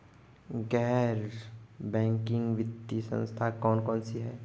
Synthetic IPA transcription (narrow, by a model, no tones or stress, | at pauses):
ɡɛːɦɾbɛ̃ːŋkɪ̃ŋɡʋɪt̪ːisə̰̃nst̪ʰakɔːnkɔːnsiɦɛː